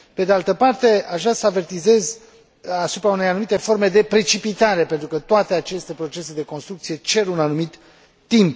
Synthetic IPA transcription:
pe̞d̪ealt̪əpart̪e̞aʃʒasəave̞rt̪ize̞z | asupɾaune̞janumit̪e̞fo̞rme̞d̪e̞pɾe̞t͡ʃipit̪aɾe̞pe̞nt̪ɾukət̪oat̪eat͡ʃe̞st̪e̞pɾo̞t͡ʃe̞se̞d̪e̞ko̞nst̪ɾukt̪sije̞t͡ʃe̞ɾunanumit̪ː | imp

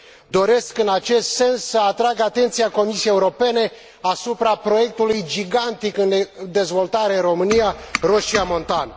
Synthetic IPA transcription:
d̪o̞ɾe̞skɨnat͡ʃe̞st̪se̞nsːəat̪ɾaɡat̪e̞nt̪sijako̞misiejeuɾo̞pe̞ne̞ | asupɾapɾo̞je̞k̚t̪ulujd͡ʒiɡant̪ikɨnd̪e̞zvo̞lt̪aɾeɨnro̞mɨnijaroʃiamo̞nt̪an

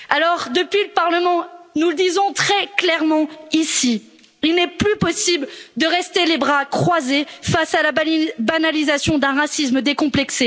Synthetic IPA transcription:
alɔʁd̪əpɥiləpaʁləmɑ̃nuləd̪izɔ̃t̪χɛklɛʁmɑ̃isi | ilnɛplypɔsibld̪əʁɛst̪elebʁakχwazefasalabanalizasjɔ̃d̪ɛ̃ʁasisməd̪ekɔ̃plɛkse

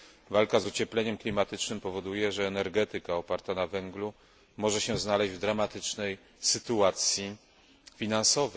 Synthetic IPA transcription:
valkazut͡ɕɛplɛɲɛmklʲimat̪ɘt͡ʂnɘmpɔvɔd̪ujɛʐɛːnɛɾɡɛt̪ɘkaɔpaɾt̪anavɛŋɡlu | mɔʐɛɕɛznalɛʑd͡ʑvd̪ɾamat̪ɘt͡ʂnɛj | sɘt̪uat̪sʲji | fʲinansɔvɛ

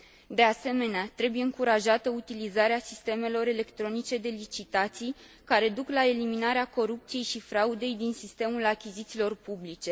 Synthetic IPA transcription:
d̪e̞ase̞me̞neat̪ɾe̞buje̞ɨŋkuɾaʒat̪əut̪ilizaɾeasist̪e̞me̞lo̞ɾe̞le̞kt̪ɾo̞nit͡ʃe̞d̪e̞lit͡ʃit̪at̪sij | kaɾe̞d̪uklae̞liminaɾeako̞ɾup̚t̪sije̞jʃifɾaud̪e̞jd̪insist̪e̞mulakʲizit̪silo̞rpublit͡ʃe̞

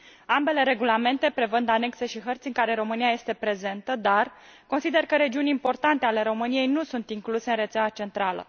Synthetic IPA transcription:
ambe̞le̞ɾe̞ɡulame̞nt̪e̞pɾe̞vɨnd̪ane̞kse̞ʃiɦərt̪sʲɨŋkaɾe̞ɾo̞mɨnijaje̞st̪e̞pɾe̞ze̞nt̪əd̪ar | ko̞nsid̪e̞rkəɾe̞d͡ʒiunʲimpo̞rt̪ant̪e̞ale̞ɾo̞mɨnije̞jnusunt̪iŋkluse̞ɨnre̞t̪sʲaat͡ʃe̞nt̪ɾalə̰

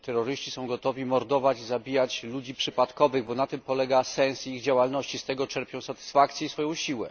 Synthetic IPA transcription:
t̪ɛɾːɔɾɘɕt͡ɕisɔ̃w̃ɡɔt̪ɔvʲimɔɾd̪ɔvad͡ʑzabʲijat͡ɕlud͡ʑipʂɘpat̪kɔvɘɣbɔnat̪ɘmpɔlɛɡasɛnsiɣd͡ʑawalnɔɕt͡ɕist̪ɛɡɔt͡ʂɛɾpʲjɔ̃w̃sat̪ɘ̥sfakt̪sʲjɛisfɔjɔ̃w̃ɕiwɛ̰

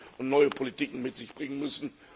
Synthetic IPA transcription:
ʔʊntnɔʏəpʰolitiːkŋ̩mɪtz̥ɪçb̥ʁɪŋənmʏsn̩

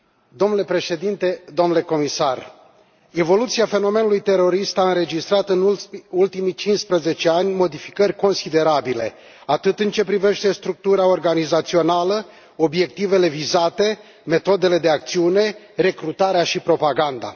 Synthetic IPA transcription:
d̪omnule̞pɾe̞ʃe̞d̪int̪e̞d̪o̞mnule̞ko̞misar | e̞vo̞lut̪siafe̞no̞me̞nulujt̪e̞ɾo̞ɾist̪aɨnɾe̞d͡ʒist̪ɾat̪ɨnult̪imit͡ʃinspɾəze̞t͡ʃe̞anʲmo̞d̪ifi̥kərʲko̞nsid̪e̞ɾabile̞̰ | at̪ɨt̪ɨnt͡ʃe̞pɾive̞ʃt̪e̞st̪ɾuk̚t̪uɾao̞rɡanizat̪sio̞nalə | o̞bje̞k̚t̪ive̞le̞vizat̪e̞ | me̞t̪o̞d̪e̞le̞d̪e̞ak̚t̪siune̞ | re̞kɾut̪aɾeaʃipɾo̞paɡand̪a̰

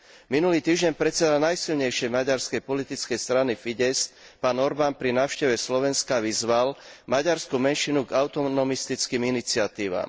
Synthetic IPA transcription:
minuliːt̪iːʒɟɛɲpɾɛt͡sɛd̪alnajsilɲɛjʃɪɛjmaɟaɾskɛjpɔlit̪it͡skɛjst̪ɾanifiɟɛst̪ | paːnɔɾbaːnpɾinaːʊʃcɛʋɛslɔʋɛnskaʋizʋalmaɟaɾskumɛnʃinuɡaʊt̪ɔnɔmist̪it͡skiːminit͡sɪat̪iːʋa̰ːm

